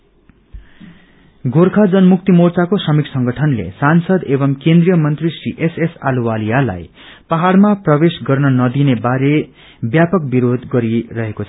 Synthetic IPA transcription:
ɡʱoɾkʰad͡zʌnmuk̚t̪imort͡sakosʌmiksʌŋɡʌʈʰʌnlḛsansʌd̪ebʌmkẽnd̪rijʌmʌnt̪risriʔesesaluwalijala̰j | paɦarmaprʌbesɡʌrnʌnʌd̪inebaɾe | bjapʌk̚biɾod̪ɡʌɾirʌɦekot͡sʰʌ

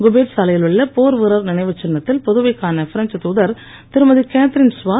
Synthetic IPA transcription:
ɡʊbeːʈsɐlɐjɪlɯɭːɐpoːɾʋɯɾɐɾnɪnɐɪʋɐt͡ʃːɪnːɐt̪ːɪlpɔðɯʋɐɪkːaːnɐfɪɾɐnt͡ʃɐt̪uːðɐɾ | t̪ɪɾɯmɐðikaːt̪ɪɾɪnsʋaː

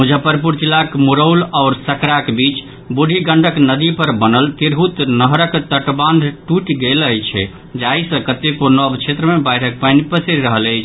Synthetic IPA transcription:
mud͡ʒʱapəɾpuɾt͡ʃilakmuɾəwlaʊɾsəkɾakbit͡ʃ | buɖʱiɡəɳɖʱəknəd̪ipəɾbənəlt̪iɾɦut̪nəɦɾəkt̪əʈbãnd̪ʱʈuʈɡeləjt͡ʃʰɛ | d͡ʒaisə̃kət̪ekonɔbt͡ʃʰet̪ɾəmebəjʈʰək̚pənipəsiɾɾəɦələjt͡ʃʰ

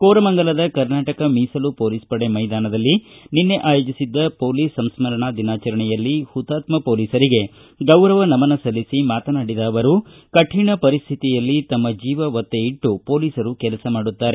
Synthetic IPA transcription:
koːɾɐmɐŋɡɐlɐd̪ɐkɐɾnaːʈɐkɐmiːsɐlupo̞ːliːspɐɽe̞mɐjd̪aːnɐd̪ɐlːininːe̞ʔaːjoːd͡ʒisid̪ːɐpo̞ːliːsːɐmsmɐɾɐɳɐd̪inaːt͡ʃɐɾɐɳɛjɐlːihut̪ːaːt̪mɐpoːliːsɐɾiɡe̞ | ɡɐwɾɐʋɐnɐmɐnɐsɐlːisimaːt̪ɐnaːɽid̪ɐːʋɐɾu | kɐʈʰiːɳɐpɐɾist̪ʰit̪ijɐlːit̪ɐmːɐd͡ʒiːʋɐʋɐt̪ːe̞iʈːupo̞ːliːsɐɾukɛlɐsɐmaːɽut̪ːaːɾe

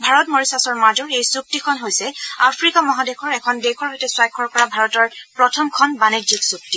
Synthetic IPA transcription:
bʱaɹɔtmoɹisasɔɹmad͡ʒɔɹejsuk̚tikʰɔnɦojsɛapʰɹikamɔɦadekʰɔɹɛkʰɔndekʰɔɹɦojtɛswajkʰːɔɹkɔɹabʱaɹɔtɔɹpɹɔtʰɔmkʰɔnbaneziksuk̚ti

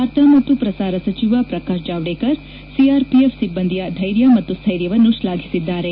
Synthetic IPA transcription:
aɾt̪ʰɐmɐt̪ːupɾɐsaːɾɐsɐt͡ʃiʋapɾɐkaːʃd͡ʒaːʋɽekɐɾ | siaːɾpiefʰsibːɐnd̪ʱijɐd̪ʱɐjɾjɐmɐt̪ːust̪ʰɐjɾjɐʋɐnːuʃlaːɡʰʱisid̪ːaːɾe

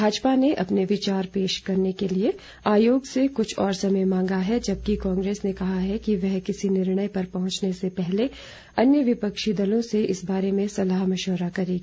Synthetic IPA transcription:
bʱaːd͡ʒpaneʔɐpneʋɪt͡ʃaːɾpeːʃkɐɾnekelie | aːjoːɡsekʊt͡ʃʰɔːɾsɐməjmãːŋɡaɦɛd͡ʒɐb̚kikãːŋɡɾeːsnekɐɦaɦɛkiʋɛɦkɪsinɪɾɽ̃əjpɐɾpɐɦʊ̃t͡ʃnesepɛɦle | ɐnjəʋɪpɐkʃid̪ɐlõseʔɪsbaːɾemẽsɐlaːɦmɐʃoːɾakɐɾiːɡi

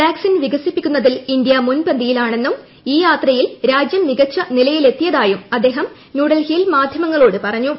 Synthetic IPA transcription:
ʈaːksinʋiɡɐsipːikʲːunːɐðilind̪jɐmunpɐnd̪ijilaːɳe̞nːum | iːjaːt̪rɐjilɾaːd͡ʑjɐmniɡɐt͡ɕːɐnilɐjile̞t̪ːijɐðaːjumɐd̪ːe̞ːɦɐm | njuːɽɐlhilmaːd̪ʱjɐmɐŋːɐɭoːɽɨpɐrɐɲːu

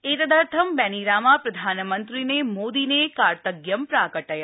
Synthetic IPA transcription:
et̪əd̪aɾt̪ʰəmbɛniɾamãpɾəd̪ʱanmənt̪ɾinemod̪inekaɾt̪əɡjəmpɾakəʈaja

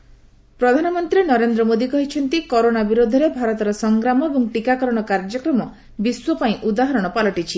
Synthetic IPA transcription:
pɾɔd̪ʱanɔmɔnt̪ɾinɔɾend̪ɾɔmod̪ikɔɦit͡ʃʰɔnt̪ikoɾonabiɾod̪ʱɔɾebʱaɾɔt̪ɔɾɔsɔŋɡɾamɔebɔŋʈikakɔɾɔɽ̃ɔkaɾd͡ʒɔkɾɔmɔ | biswɔpaĩʔud̪aɦɔɾɔɽ̃ɔpalɔʈit͡ʃʰi

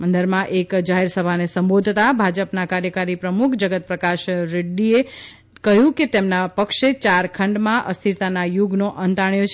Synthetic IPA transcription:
mə̃nd̪əɾmãʔekd͡ʒaɦeɾsəbʱanesə̃mbod̪ʱt̪abʱad͡ʒəpnakaɾjəkaɾipɾəmukʰd͡ʒəɡət̪̚pɾəkaʃɾɪɖːie | kəɦjũket̪emnapəkʃet͡ʃaɾkʰəɳɖmãʔəst̪ʰiɾt̪anajuɡnoʔənt̪aɳjot͡ʃʰ

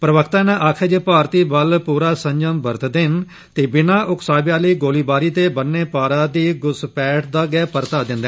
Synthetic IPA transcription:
pɾəʋəkʰt̪ãːnãʔaːkʰəd͡ʒepaːɾt̪iːbəlpuːɾaːsəɲd͡ʒəmbəɾt̪d̪ɪn | t̪eːbɪnaːʔʊksaːbjaːliːɡoːliːbaːɾiːt̪eːbənːeːpaːɾãːd̪iːɡʊspɛːʈʰd̪aːɡɛːpəɾt̪aːd̪ɪ̃nd̪ɛ

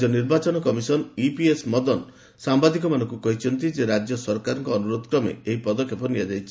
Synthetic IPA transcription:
ɔniɾbat͡ʃɔnɔkɔmisɔnipiesmɔd̪ɔn | sambad̪ik̬ɔmanɔŋkukɔɦit͡ʃʰɔnt̪id͡ʒeɾad͡ʒjɔsɔɾkaɾɔŋkɔːnuɾod̪ɔkɾɔmḛeɦipɔd̪ɔkʰːepɔniad͡ʒajt͡ʃʰi̥

